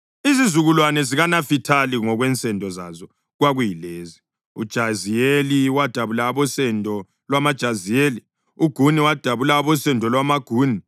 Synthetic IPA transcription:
izizuɣulwanɛziɣanafitʰaliŋɔɣwɛnt͡sʼɛndʱʼɔza̰zɔ | ɣwaɣujileːzi | ṵd̥ʒ̥ʱazijeliwad̥ʱaβulaːβɔsɛndʱɔ | lwamad̥ʒ̥ʱazijeːli | uɡ̥ʱuniwad̥ʱaβulaːβɔsɛndʱɔlwamaɡ̥ʱuːni

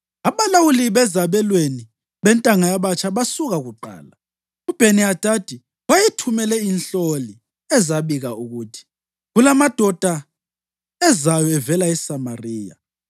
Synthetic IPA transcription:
aβalawuliβɛzaβɛlweni | βɛntʼaŋajaβat͡ʃʼaβasuɣaɣuǃa̰ːla | ub̥ʱeniad̥ʱad̥ʱi | wajitʰumɛlɛinɬoli | ɛzaβiɣauɣuːtʰi̥ | ɣulamad̥ʱɔd̥ʱa | ɛzajɔɛvɛlaɛsamariːja̰

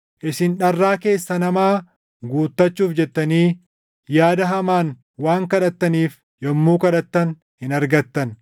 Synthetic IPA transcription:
ʔɪsɪnᶑɐrːaːke̞ːsːɐnɐmaː | ɡuːt̪ːɐt͡ʃːuːfd͡ʒɛt̪ːɐniː | jaːd̪ɐɦɐmaːn | waːŋkɐᶑɐt̪ːɐniːf | jɔmːuːkɐᶑɐt̪ːɐn | hɪnɐɾɡɐt̪ːɐn

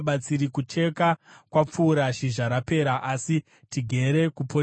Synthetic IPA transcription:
ɓat͡siɾikut͡ʃe̞kakwap͡fuːɾaʃiʒaɾape̞ːɾaʔasi | tiɡʱe̞ɾekupo

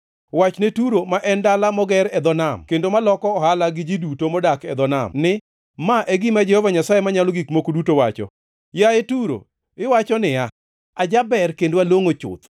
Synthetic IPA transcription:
wat͡ʃnetuɾomaʔɛndalamɔɡɛɾɛd̪ɔnamkendomalɔkɔːhalaɡɪd͡ʒidutomɔdakɛd̪ɔna̰mnɪ | maʔeɡɪmad͡ʒɛhɔvaɲasajemaɲalɔɡikmokodutowat͡ʃɔ̰ | jaetuɾo̰ | ɪwat͡ʃɔnɪa | ad͡ʒabɛrkendwaloŋot͡ʃʊ̰t̪

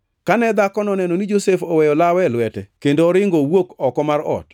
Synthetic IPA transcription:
kanɛd̪akɔnɔnɛnonid͡ʒosefɔwɛjɔlawɛlwɛtɛkendoːɾɪŋɡowokɔkɔmaɾɔ̰t

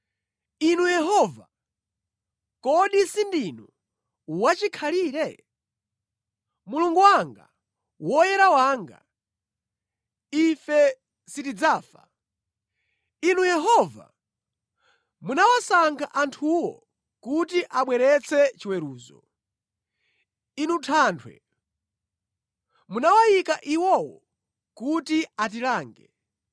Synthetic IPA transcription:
inujɛɦɔva̰ | kɔɗisindinu | wat͡ʃikʰaliːɾɛ | muluŋɡuwaŋɡa̰ | wɔjɛɾawaŋɡa̰ | ifɛ | sitid͡zaːfa̰ | inujɛɦɔva̰ | munawasaŋkʰaʔantʰuwɔ̰ | kutiʔaɓwɛɾɛt͡sʰɛt͡ʃiwɛɾuːzɔ̰ | inutʰaːntʰwɛ̰ | munawajikaʔiwɔwɔ̰ | kutiat̬ilaːŋɡɛ

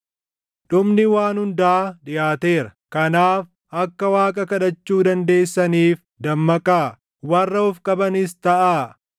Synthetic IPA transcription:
ᶑʊmnɪwaːnhʊnd̪aːᶑɪjaːt̪e̞ːɾɐkɐnaːf | ɐkːɐwaːkʼɐkɐᶑɐt͡ʃːuːd̪ɐnd̪e̞ːsːɐniːf | d̪ɐmːɐkʼaː | wɐrːɐʊfkʼɐbɐnɪst̪ɐʔaː

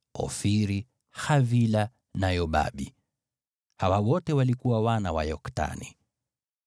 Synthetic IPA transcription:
ɔ̰fiɾi | xavila | najɔɓa̰ɓi | hawawɔtɛwalikuwawanawa̰jɔkta̰nḭ

